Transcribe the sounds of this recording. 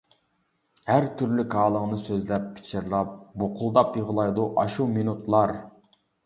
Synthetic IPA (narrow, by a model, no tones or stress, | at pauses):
hæɾt̪ʰyɾlykʰɑːlˠəʁnɨsøzlɛpʰːɪ̥t͡ʃʰɪɾlˠɑp̚boqʰʊlˠd̪ɑpjəʁəlˠɑjd̪uʔɑʃuminut̪ʰlˠɑɾ